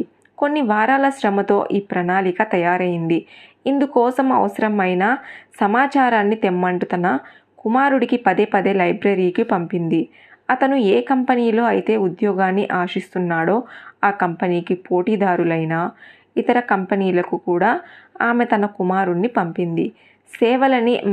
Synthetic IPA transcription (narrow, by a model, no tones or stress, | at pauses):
ko̞nːiʋaːɾaːlɐʃɾɐmɐt̪o̞̰ːʔiːpɾɐnaːlikɐt̪ɐjaːɾɐjind̪i | ind̪ukɔːsɐmɐ̰ʋɐsɐɾɐmɐjnaːsɐmaːt͡ʃaːɾaːnːit̪emːɐɳʈut̪ɐnɐ | kumaːɾuɽikipɐd̪eːpɐd̪elɐjbɾɐɾiːkipɐmpind̪i | ɐt̪ɐnueːkɐmpɐniːlo̞ːɐjit̪e̞ːud̪jɔːɡaːnːiʔaːʂist̪unːaːɽo̞ːaːkɐmpɐniːkipo̞ːʈiːd̪aːɾulɐjnaː | it̪ɐɾɐkɐmpɐniːlɐkukuːɽaːaːme̞t̪ɐnɐkumaːɾunːipɐmpind̪ḭ | sɛːʋɐlɐni